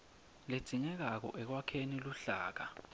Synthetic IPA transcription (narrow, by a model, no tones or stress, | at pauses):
led̥ʱiŋɛk̬ak̬ɔ̰ʔɛk̬wakʰeniluɬaːk̬a